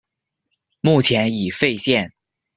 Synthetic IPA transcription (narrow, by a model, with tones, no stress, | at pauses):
mu˥˩t͡ɕʰjɛ˧˥ni˨˩fe˥˧ɪɕjɛ˥˩n